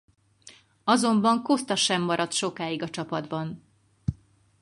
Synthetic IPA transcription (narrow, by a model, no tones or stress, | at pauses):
ɒzo̞mbɒŋkost̪ɒʃɛmːɒɾɒt̪ʃo̞kaːiɡɒt͡ʃɒpɒd̪bɒn